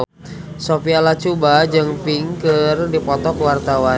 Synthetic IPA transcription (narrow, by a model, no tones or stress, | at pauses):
sopialat͡ʃubad͡ʒɨŋpiŋkərdipɔt̪ɔkwart̪awa